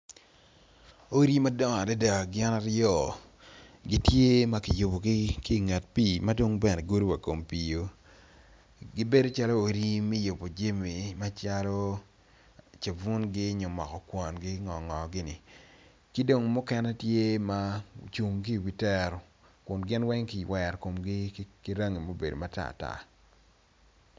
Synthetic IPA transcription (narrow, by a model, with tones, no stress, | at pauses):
o˦ɾi˦ma˦dɔ˦ŋa˨dɛ˦da˨ɡɪ˦na˦ɾjɔ˦˨ | ɡɪ˦tje˦ma˦kɪ˨jʊ˨bo˨ɡɪ˦ki˦˨ŋa˨t̚pi˦˨ma˦do˦ŋbɛ˦nɛ˨ɡo˦ɾwa˨ko˨mpi˨jo˦ | ɡɪ˦be˦do˦t͡ʃa˦lo˦o˨ɾi˦mi˦jʊ˨bo˨d͡ʒe˦mi˨ma˦t͡ʃa˦lɔ˦ | t͡ʃe˨vu˦nɡɪ˦ɲo˨mɔ̰˨kɔ˨kwɔ˨nɡɪ˦ŋɔ˨ŋɔ˨ɡɪ˦nɪ˨ | kɪ˦do˨ŋmʊ˦kɛ˦nɛ˦tje˦ma˦t͡ʃu˨ŋki˦˨wi˦tɛ˦ɾ | kʊ˨nɡɪ˦nwɛ˦ŋkɪ˨jwɛ˨rko˨mɡɪ˦kɪ˦ɾa˦ŋi˨mo˦be˨do˨ma˦ta̰ː˦˨ta̰˦